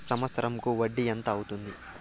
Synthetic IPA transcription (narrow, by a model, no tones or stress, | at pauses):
sɐmʋɐt̪sɐɾʔɐmkuʋɐɖːiɐnt̪ɐːwut̪und̪i